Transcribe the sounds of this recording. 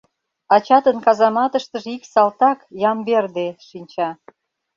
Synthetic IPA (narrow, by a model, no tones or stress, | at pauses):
ɑt͡ɕɑt̪ənkɑzɑmɑt̪əʃt̪əʒiksɑlt̪ɑkjɑmberd̪eʃinʲt͡ɕɑ